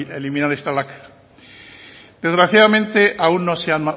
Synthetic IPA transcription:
elimĩnaɾest̪alaka | d̪̥e̞zɣɾaθjaðamẽnt̪e̞ʔaunːo̞seanma

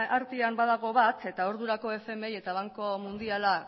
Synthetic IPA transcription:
aɾt̪iambaðaɣ̞o̞βat̪e̞t̪aoɾðuɾako̞e̞fe̞meje̞t̪aβ̞aŋko̞mund̪iala

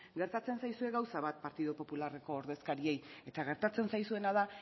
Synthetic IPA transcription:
ɡe̞ɾt̪at͡se̞nsajsue̞ɣawsaβat̪̚paɾt̪iðopo̞pulare̞ko̞ːɾðe̞skaɾie̞je̞t̪aɣ̞e̞ɾt̪at͡se̞nsajsue̞nað̞a

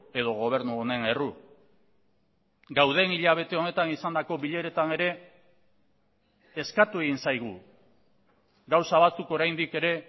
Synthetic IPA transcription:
e̞ðo̞ɣ̞o̞β̞e̞ɾnuone̞ne̞ru | ɡawð̞e̞niʎaβ̞e̞t̪e̞o̞ne̞t̪anisand̪ako̞βiʎe̞ɾe̞t̪ane̞ɾe̞ | skat̪ue̞ɣinsajɣ̞u | ɡawsaβat͡suko̞ɾajnd̪ike̞ɾe̞

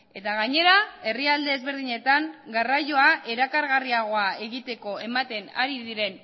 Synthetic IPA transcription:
e̞t̪aɣaɲe̞ɾae̞riald̪e̞ːzβe̞ɾðiɲe̞t̪aŋɡarajo̞aʔe̞ɾakaɾɣariaɣ̞o̞ae̞ɣit̪e̞ko̞e̞mat̪e̞na̰ɾiðiɾe̞n

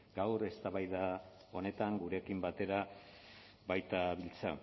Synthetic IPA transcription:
ɡawɾe̞st̪aβajða | o̞ne̞t̪aŋɡuɾe̞kimbat̪e̞ɾa | bajt̪aβilt͡sa

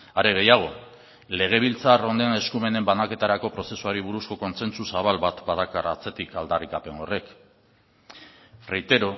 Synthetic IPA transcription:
aɾe̞ɣ̞e̞jaɣ̞o̞ | le̞ɣ̞e̞β̞ilt͡saro̞nd̪ene̞skume̞ne̞mbanake̞t̪aɾako̞pɾo̞se̞suaɾiβuɾusko̞ko̞nse̞nsusaβalβat̪baðakarat͡se̞t̪ikald̪arikape̞no̞re̞k | fɾejt̪e̞ɾo̞

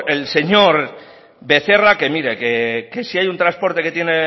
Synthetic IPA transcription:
else̞ɲo̞ɾ | be̞θe̞rake̞miɾe̞ke̞ke̞siajunt̪ɾaspo̞ɾt̪e̞ke̞t̪jene

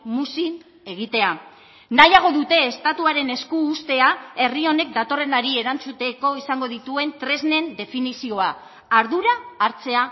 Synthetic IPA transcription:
musin | e̞ɣ̞it̪e̞a | najaɣ̞o̞ðut̪e̞ːst̪at̪uaɾe̞ne̞skuːst̪e̞ae̞rio̞ne̞k̚d̪at̪o̞re̞naɾieɾant͡sut̪e̞ko̞isaŋɡo̞ðit̪ue̞nt̪ɾe̞zne̞nd̪e̞finisio̞a | aɾðuɾaːɾt͡se̞a

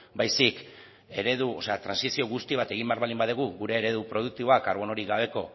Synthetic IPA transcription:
bajsik | e̞ɾe̞ðuo̞se̞at̪ɾansisio̞ɣust̪iβ̞at̪e̞ɣ̞imbe̞aɾβalimbaðeɣ̞uɣuɾe̞ːɾe̞ð̞upɾo̞ðuk̚t̪iβo̞akaɾβo̞no̞ɾiɣaβ̞e̞ko̞

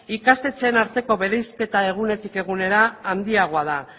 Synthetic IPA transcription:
ikast̪e̞t͡seːnaɾt̪e̞ko̞βe̞ɾejske̞t̪ae̞ɣ̞une̞t̪ike̞ɣune̞ɾaːnd̪iaɣ̞oað̞a

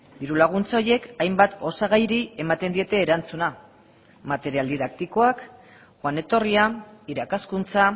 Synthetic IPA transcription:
biɾulaɣ̞unt͡sao̞ɾje̞kajmbat̪o̞saɣ̞ajɾie̞mat̪e̞nd̪ie̞t̪e̞ːɾant͡suna | mat̪e̞ɾiald̪iðak̚t̪iko̞ak | xwane̞t̪o̞riaiɾakaskunt͡sa

